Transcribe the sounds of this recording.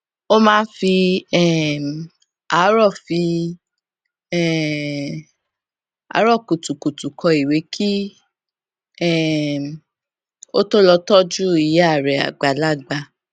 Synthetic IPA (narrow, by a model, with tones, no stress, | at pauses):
o˦mãː˦n˦fi˧ɛ˦˨ | a˨˦ɾɔ˦˨fi˧ | ɛ˦˨ | a̰˨˦ɾɔ˦˨ko˨tu˨ko˨tu˨kʰɔ˧i˨we˨˦ki˦ | ɛ˦˨ | o˦to˦lɔ˧tɔ˦d͡ʒu˦i˧ja˦˨ɾɛ˨a̰˨ɡ͡ba˨la˦˨ɡ͡ba˧